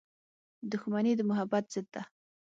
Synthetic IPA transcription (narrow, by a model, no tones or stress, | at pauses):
d̪ʊxmanid̪əmʊɦabat̪z̥ɪt̪ːa